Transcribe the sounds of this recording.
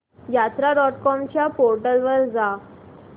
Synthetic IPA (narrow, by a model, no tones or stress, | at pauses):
jat̪ɾaɾɔʈkɔmt͡ɕjapoɾʈəlʋəɾd͡za